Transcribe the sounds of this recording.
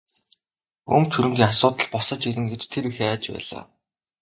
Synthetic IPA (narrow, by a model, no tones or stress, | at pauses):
ɵ̰mt͡ɕʰuɾɵ̆ŋɡʲiːŋasʊːt̪ə̆ɮpɔsə̆t͡ɕiɣɘ̆ŋɡet͡ɕt̪ʰeɾixeæːt͡ɕpæ̰ːɮa̰ː